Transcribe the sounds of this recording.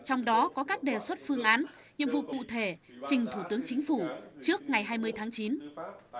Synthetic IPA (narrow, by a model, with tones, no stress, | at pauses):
t͡ɕɔ˧wŋ͡mɗɔ˨˦kɔ˨˦kaː˦˥k̚ɗe˨˩swə˦˥t̚fɨ˧əŋʔaː˨˦n | ɲḭ˧˨əmvṵ˧˨kṵ˧˨t̪ʰe˧˩t͡ɕï˨˩ŋ̟t̪ʰu˧˩t̪ɨ˨˦əŋt͡ɕï˨˦ŋ̟fu˧˩t͡ɕɨ˦˥ək̚ŋa˨˩jɦaː˧jmɨ˧əjt̪ʰaː˨˦ŋt͡ɕi˨˦n